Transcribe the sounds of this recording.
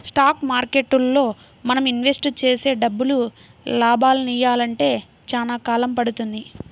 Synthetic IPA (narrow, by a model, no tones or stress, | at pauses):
sʈaːkmaːɾke̞ʈːulːo̞ː | mɐnɐminʋe̞sʈt͡ʃe̞ːse̞ːɖɐbːulu | laːbaːluniːjaːlɐɳʈe̞ː | t͡ʃaːnaːkaːlɐmpɐɽut̪und̪i